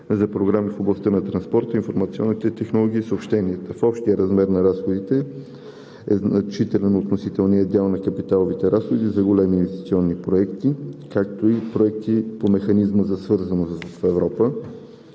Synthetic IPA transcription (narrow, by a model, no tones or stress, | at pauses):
zɐpɾoɡɾamifoblˠɐst̪ənɐt̪ɾɐnspɔɾt̪əinfoɾmɐt̪siɔ̰nːit̪ɛt̪ɛxnolˠɔɡ̟iːsəopʃt̪ɛniɛt̪əfɔpʃt̪iəɾɐzmɛɾnɐɾasxod̪it̪ɛ | ɛ̰znɐt͡ʃit̪ɛlɛnot̪nosit̪ɛlˠniəd̪ʲalˠnɐkɐpit̪alˠovit̪ɛɾasxod̪izɐɡolɛmiinvɛst̪i̥t̪siɔnːipɾoɛkt̪ikakt̪oipɾoɛk̚t̪ipomɛxɐnizməzɐsvɤɾzənosfɛvɾɔpə